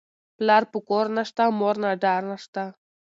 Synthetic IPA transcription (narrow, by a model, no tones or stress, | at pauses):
plaɾpukoɾnaʂt̪amoɾnaɖaɾnaʂt̪a